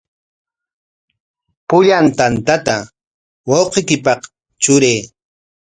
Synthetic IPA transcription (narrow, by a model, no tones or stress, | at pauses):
pʊʎant̪ant̪at̪a | wɑwqekɪpɑq | t͡ʃʊɾeː